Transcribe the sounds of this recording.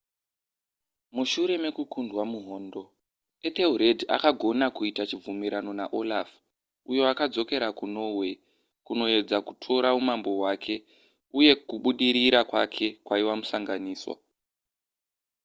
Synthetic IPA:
muʃuɾe̞me̞kukundwamuɦo̞ːndo̞ | et̪euɾedʱia̰kaɡʱo̞nakuitat͡ʃib͡vumiɾano̞naʔo̞laf | ujo̞akad͡zo̞ke̞ɾakuno̞we̞ | kuno̞e̞d͡zakutʰo̞ɾaumambo̞wakʰe̞ | uje̞kuɓuɗiɾiɾakwa̰kʰe̞kwaiwamusaŋɡaniːswa̰

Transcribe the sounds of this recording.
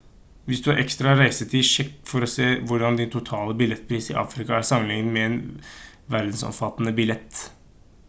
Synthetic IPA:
ʋɪsd̪ʉɑɾʔɛkst̪ɾɑɑɾæɪsət̪ʰiːʂɛkːfɔɾɔseːʋʊɖɑnd̪ɪnt̪ʰʊt̪ʰɑːləbɪlɛt̪ːpʰɾiːsɪʔɑ̰ːfɾɪkɑæɾsɑmənɪŋnəmɛɛn | ʋæɾd̪n̩sɔ̰mfɑt̪ːənəbɪlɛt̪ː

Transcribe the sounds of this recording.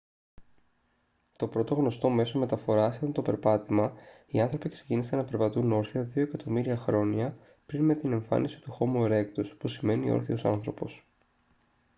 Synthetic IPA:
t̪o̞pɾo̞t̪o̞ɣno̞st̪o̞me̞so̞me̞t̪ɐfo̞ɾɐseɐnt̪o̞pe̞ɾpɐt̪imɐ | iɐnθɾo̞pikse̥cinisenɐpe̞ɾpɐt̪uno̞ɾθiɐðio̞ekɐt̪o̞miɾiɐxɾo̞ɲɐ | pɾinme̞t̪ine̞ɱfɐ̰nisi̥t̪uxo̞mueɾe̞kt̪ospusime̞nio̞̰ɾθio̞sɐ̰nθɾo̞̰po̞̰s

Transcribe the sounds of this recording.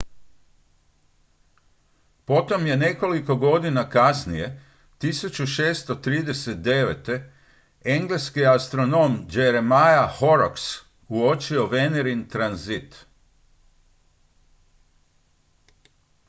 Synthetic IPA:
po̞t̪o̞mje̞ne̞ko̞liko̞ɡo̞d̪inakasnije̞ | t̪isut͡ɕuʃeːst̪o̞t̪ɾiːd̪e̞set̪̚d̪e̞ʋḛt̪e̞ | e̞ŋɡleskiast̪ɾo̞no̞md͡ʒeɾemajaho̞ɾoks | uo̞t͡ʃio̞ʋe̞neɾint̪ɾanzit̪

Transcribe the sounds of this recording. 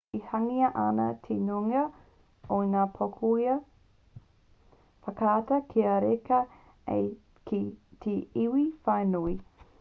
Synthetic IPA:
ihɐŋiɐʔɐnɐ̰t̪ʰenuŋɐ | onaːpʰokʰuiɐ | fɐkatɐkʰiɐɾekɐ | ḛ | kit̪ʰeiwifɐjnui

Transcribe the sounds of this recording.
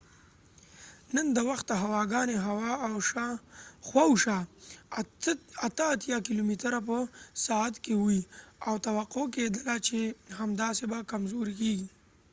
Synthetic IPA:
nənd̪əwaxt̪̚d̪əɦawɑɡɑneɦaww | xwawʃa | at̪əːt̪jɑkilomit̪əɾap̬əsɑat̪kewiawt̪awaqoked̪əlat͡ʃehamd̪ɑsebakamzoɾikeɡi

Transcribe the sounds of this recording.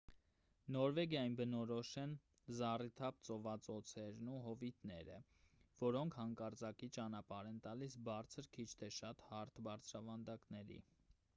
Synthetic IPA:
nɔɾvɛɡjɑjinbənɔɾɔʃɛn | zɑrit̪ʰɑpt͡sɔvɑt͡sɔt͡sʰɛɾnuɦɔvit̪nɛ̰ɾə̰ | vɔɾɔŋkʰhɑŋkɑɾt͡sɑkit͡ʃɑnɑpɑɾɛnt̪ɑlisbɑɾt͡sʰəɾkʰit͡ʃʰt̪ʰɛʃɑt̪hɑɾt̪ʰbɑɾt͡sʰɾɑvɑnd̪ɑknɛɾḭ

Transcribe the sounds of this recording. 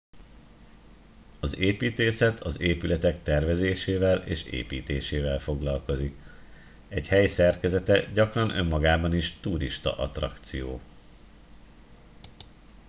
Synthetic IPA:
ɒzeːpiːt̪eːsɛt̪ʰɒzeːpylɛt̪ɛkt̪ɛrvɛzeːʃeːvɛleːʃḛːpḭːt̪eːʃeːvɛlfo̞ɡlɒlko̞zik | ɛɟhɛjsɛrkɛzɛt̪ɛɟɒkrɒnʔø̞̰mːɒɡaːbɒniʃt̪uɾiʃt̪ɒ̰ʔɒt̪rɒ̰kt̪sijoː

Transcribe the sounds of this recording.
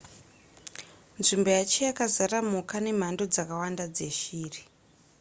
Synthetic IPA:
nʐimbo̞jat͡ʃijakazaɾamukane̞m̤ando̞d͡zakawandad͡zeʃiːri

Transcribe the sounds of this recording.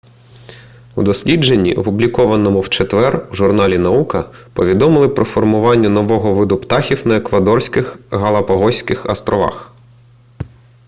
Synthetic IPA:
ud̪ɔsʲlʲid͡ʒe̞nʲːḭʔɔpʊblʲikɔʋɐnɔmʊwt͡ʃet̪ʋɛruʒʊrnɑlʲinɐukɐpɔʋʲid̪ɔmɪlˠɪpɾɔfɔrmʊʋɑnʲːɐnɔʋɔɦɔʋɪd̪ʊpt̪ɑxʲiwnɐekʋɐd̪ɔrsʲkɪxɦɐlˠɐpɐɦɔsʲkɪxɐ̰st̪ɾɔʋɑ̰x

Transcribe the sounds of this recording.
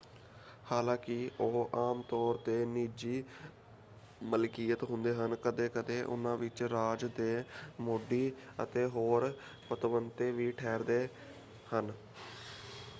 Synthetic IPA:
haːlãːkɪoːʔaːmt̪ɔːɾt̪eːniːd͡ʒiː | məlkiːət̪ɦʊnd̪eːɦənkəd̪eːkəd̪eːʔʊ̰nãːʋɪt͡ʃɾaːd͡ʒd̪eːmoːɖiːə̰t̪eːɦoːɾ | pət̪ʋənt̪eːʋiːʈʰɛːɾd̪eː | hən

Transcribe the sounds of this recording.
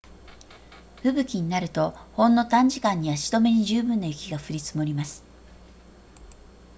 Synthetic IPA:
ɸɯ̟bɯ̟kʲiɲ̟inaɾɯ̟t̪o̞hõ̞nːo̞t̪ãɲ̟d͡ʑikãɲ̟ːiβaɕi̥t̪o̞me̞ɲ̟iʑɨːbɯ̟̃nːajɯ̟kʲiɡaɸɯ̟ɾʲit͡sɨmo̞ɾʲimasɨ̥

